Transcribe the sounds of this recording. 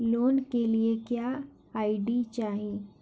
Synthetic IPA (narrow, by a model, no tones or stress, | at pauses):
loːnkeliekja | aːɪɖit͡ʃaːɦi